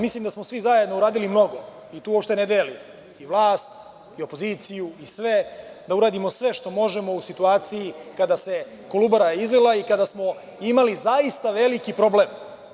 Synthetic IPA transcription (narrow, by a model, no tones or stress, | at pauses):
mislimd̪asmo̞sʋizajed̪no̞uɾaːd̪ilimno̞ɡo̞ | it̪uːopʃt̪e̞ned̪eːlim | iʋlˠaːst̪ | io̞po̞ziːt̪sijuisʋe̞d̪auɾaːd̪imo̞sʋe̞ʃt̪o̞mo̞ʒemo̞usit̪uaːt̪sijikad̪ase̞ | kolubaɾaizlilˠaikad̪asmo̞ | imalizaist̪aʋe̞likipɾo̞blem